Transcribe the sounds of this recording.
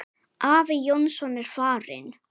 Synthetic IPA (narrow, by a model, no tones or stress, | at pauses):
ʔaːvɪjɔnsɔnɛɾ̥faːrɪ̰n